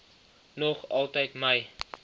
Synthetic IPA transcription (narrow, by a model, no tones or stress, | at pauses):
nɔχɐlˠtəjtməj